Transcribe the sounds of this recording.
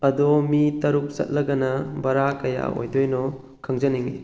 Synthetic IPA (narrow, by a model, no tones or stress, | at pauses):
ɐdɔmitɐɾuk̚sɐ̰t̚lɐɡɐnɐbɐɾakɐja̰o̰jdojnɔ | kʰɐŋzɐniŋḭ